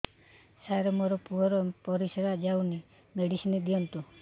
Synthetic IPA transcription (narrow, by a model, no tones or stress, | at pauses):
saɾɔmoɾɔpuɔɾɔpɔɾisɔɾad͡ʒawni | meɽisinɔd̪iɔnt̪u